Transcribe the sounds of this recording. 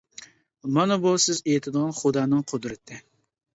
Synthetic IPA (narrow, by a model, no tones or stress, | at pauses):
mɑnɑbusɪzejɪt̪ʰɪd̪ɨʁɑnχʊd̪ɑːnɨŋqʰod̪ɾɨt̪ʰɪ